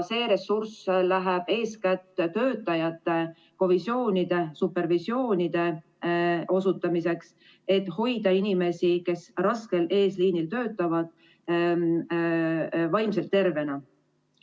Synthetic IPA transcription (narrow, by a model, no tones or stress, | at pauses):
se̞ːɾe̞surslæɦeb̥e̞ːskæt̪ːt̪ø̞ːt̪ːˑɑjɑt̪ːˑe̞ | ko̞visjo̞ːnid̪̥e̞supːe̞rvisjo̞ːnid̪̥e̞ | o̞s̬ut̪ːˑɑmise̞ks | e̞t̪ːho̞jd̪ɑinime̞sike̞srɑske̞le̞ːsliːnilt̪ø̞ːt̪ːˑɑvɑd̪̥̚ | vɑjmse̞lt̪ːe̞rve̞nɑ